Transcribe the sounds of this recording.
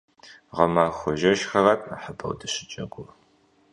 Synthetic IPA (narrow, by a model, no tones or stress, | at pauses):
ʁɐmaːxʷɔʒɐʃxɐrɐtʼna̰ħəbʰʼɐ̰wdɐɕɪt͡ʃʼɐɡʷʼʊr